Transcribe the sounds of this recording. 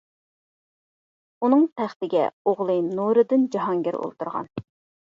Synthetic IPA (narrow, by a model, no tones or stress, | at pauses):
unɨŋt̪ʰæχt̪ɪɡʲɛ̰oʁlˠɨnuɾɨd̪ɨnd͡ʒɑɦɑŋɡʲɪɾo̰lˠt̪uɾʁɑ̰n